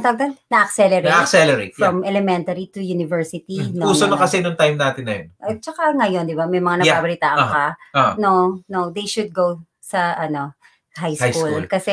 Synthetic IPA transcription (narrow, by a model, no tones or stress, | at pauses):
t̪ɐɡ̚d̪ɐnnɐʔɐksɛlɛɾeɐksɛlɛɾḛt̪fɾɐmʔɛlɛmɛnt̪ɐɾit̪ʊjunɪvɛɹsɪt̪inuːsonokɐsɛnoŋt̪ajmnaːt̪ɪnːɐjonʔɛt͡ʃɐkaŋɐjond̪ɪbamɐjmɐŋanɐbabɐlɪt̪aːʔɐkɐononod̪ejʃʊd̪̚ɡow | sɐʔɐno̞ | hajshajkullkɐsɛ